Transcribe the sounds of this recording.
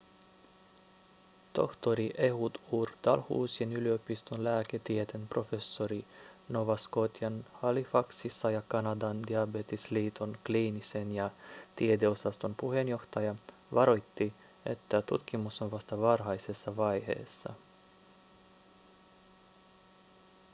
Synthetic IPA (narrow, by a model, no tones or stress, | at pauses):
t̪o̞ht̪o̞ɾiʔe̞ɦut̪uːrt̪ɑlhṵːsienylio̞pist̪onlæːke̞t̪ie̞t̪e̞npro̞fe̞sːo̞ɾino̞ʋɑsko̞t̪jɑnhɑlifɑksisːɑjɑkɑnɑd̪ɑnd̪iɑbe̞t̪isliːt̪ʰonkliːnise̞njɑt̪iet̪e̞o̞sɑst̪o̞npuɦe̞njo̞xt̪ɑjɑ | ʋɑɾo̞jt̪ːi | e̞̰t̪ːæt̪ut̪k̟imuso̞nʋɑst̪ɑʋɑrɦɑjse̞sːɑʋɑjhe̞̰ːsːɑ̰